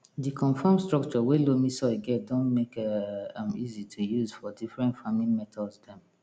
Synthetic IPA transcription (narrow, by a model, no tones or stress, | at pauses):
dikʰɔ̃nfãmstɹɔk̚t͡ʃɔwelomisɔɡɛt̚dõnmekaãmizitʰujuzfɔdifɹɛ̃ntfamĩnmɛtʰɔdsdɛ̃m